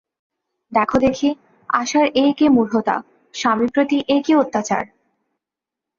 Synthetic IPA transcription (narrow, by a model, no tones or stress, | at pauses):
d̪ɛkʰod̪ekʰi | aʃaɾekemuɾɦot̪a̰ | ʃamipɾot̪iʔekeot̪ːat͡ɕa̰ɾ